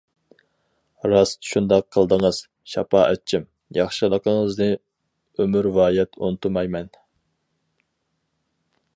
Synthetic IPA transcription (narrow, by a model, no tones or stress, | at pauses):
ɾɑst̪ʰʃund̪ɑqʰːəlˠd̪əŋəz̥ | ʃɑ̰pɑʔɛt͡ʃʰːim | jɑχʃɨlˠəqʰəŋəznɨ | ømyɾvɑːjɛt̪ʰonɨt̪ʰumɑjmɛn